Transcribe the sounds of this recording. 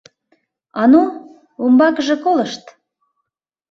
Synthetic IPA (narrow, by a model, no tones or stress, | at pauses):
ɑnu | umbɑkəʒĕkoləʃt̪